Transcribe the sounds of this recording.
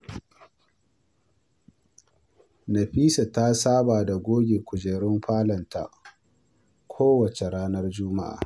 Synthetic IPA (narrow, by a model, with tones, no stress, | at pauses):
nɐ˨ɸiː˦sa˨ta˦saː˦baː˨da˨ɡʷoː˦ɡʲe˨kʷʊ˨d͡ʒeː˨ɽɪ˦mɸaː˦lɐ˨nta̰˨ | kʷʰoː˦wɐ˨t͡ʃe˨ɾaː˦nɐ˦rd͡ʒʊ˦ma̰˦ʔa̰ː˨